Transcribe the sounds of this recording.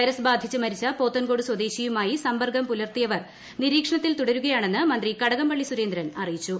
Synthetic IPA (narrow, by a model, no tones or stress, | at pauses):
ɐjɾɐsbaːd̪ʱit͡ɕːɨmɐɾit͡ɕːɐpo̞ːt̪ːɐnɡo̞ːɽɨswɐd̪eːɕijumaːjisɐmbɐrɡɐmpulɐrt̪ijɐʋɐr | niɾiːkʂɐɳɐt̪ːilt̪uɽɐɾuɣɐjaːɳe̞nːɨmɐnd̪rikɐɽɐɣɐmbɐɭːisuɾe̞ːnd̪ɾɐnɐrijit͡ɕːu